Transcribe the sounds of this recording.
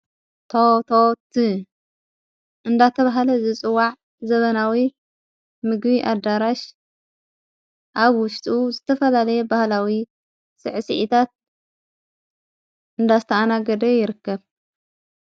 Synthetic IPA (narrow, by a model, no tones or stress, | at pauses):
t̪ʰot̪ʰot̪ʰi | ʔɨnd̪at̪ʰɐβaɦlɐzɨt͡sʼɨwaʕ | zɐβɐnawi | mɨɡbiʔad̪ːaɾaʃ | ʔaβwʊʃt̪ʼuzɨt̪ʰɐfɐlalɐjɛbahlawi | sɨ̰ʕsiʔit̪ʰat̪̚ | ʔɨnd̪azɨt̪ʰɐanaɡɐd̪ɐjɪɾɨkːɐβ